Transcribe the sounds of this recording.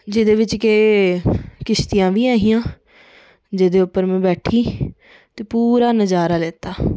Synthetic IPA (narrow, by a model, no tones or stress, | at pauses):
d͡ʒɪd̪eːʋɪt͡ʃkeː | kɪst̪ijãːʋiːaːɦĩjãː | d͡ʒeːd̪eːʊpːəɾmɛ̃ːbɛːʈʰiː | t̪eːpuːɾaːnəd͡ʒaːɾaːleːt̪aː